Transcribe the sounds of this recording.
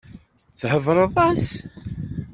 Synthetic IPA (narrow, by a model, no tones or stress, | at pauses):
θhəvɾˤəðˤɑs